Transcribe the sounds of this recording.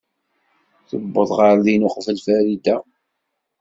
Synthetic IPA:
θəbːəðˤʁɑɾðinʊqvəlfæɾid̪æ

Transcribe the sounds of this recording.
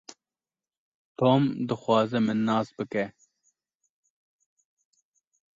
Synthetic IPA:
t̪oːmd̪əxwɑːzemɪnːɑːsbɨke

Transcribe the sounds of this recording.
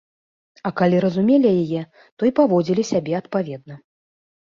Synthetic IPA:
ɐkalʲiɾɐzumʲelʲijajɛ | t̪ɔipavɔd͡zʲilʲisʲabʲɛɐt̪̚pavʲɛd̪̚nɐ

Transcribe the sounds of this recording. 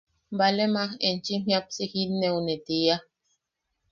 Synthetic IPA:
balemaxent͡ʃim̥iap̚sihinːeunet̪ia

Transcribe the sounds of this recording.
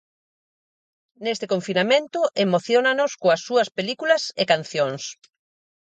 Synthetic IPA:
nest̪ɪkõɱfinamẽnt̪ʊʔemoθjonanoskoɐsːuɐspelikulɐsekan̟θjoŋs

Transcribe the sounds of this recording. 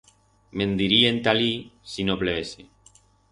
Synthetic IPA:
mẽnd̪iɾient̪alisinopleese

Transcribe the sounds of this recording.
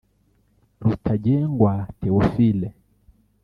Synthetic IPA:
ɾutʰaʄɛŋɡwatɛɔfilɛ

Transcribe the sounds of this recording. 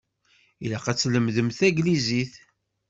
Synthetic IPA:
ilæqæt͡sːləmðəmθæɡliziθ

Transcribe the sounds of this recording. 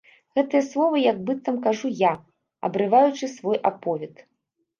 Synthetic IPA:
ɣɛt̪ɨjɐslˠɔvɐjɐɡ̚bɨt̪ːɐmkaʐuja | ɐ̰bɾɨvajut͡ʂɨsvɔjʔapɔvʲɛt̪

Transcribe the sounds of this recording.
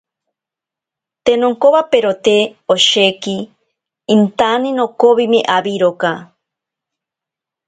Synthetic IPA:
t̪enoŋkoβapeɾot̪eoʃekiː | nt̪aninokoβimeʔaβiɾoka

